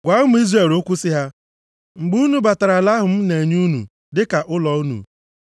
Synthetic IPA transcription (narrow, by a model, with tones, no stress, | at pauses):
ɡʷa˦ʊ˦m̩˦i˦zre˦˨ɾo˦kʷu˦sɪ˦ɦa˦ | ŋ͡m̩˨ɡ͡bu˦nu˨ba˨ta˨ɾa˨la˦ɦʊ˨m̩˦ne˨ɲu˦nṵ˨ | dɪ˦ka˨ʔʊ˦lɔ˨˦u˦nṵ˨